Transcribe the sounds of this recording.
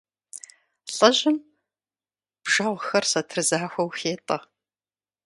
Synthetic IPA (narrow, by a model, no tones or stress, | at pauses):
ɬʼɐʑɪm | b̥ʒ̥ɐʁʷxɐrsɐtʰrɨzaːxʷɐwxeːtʼɐ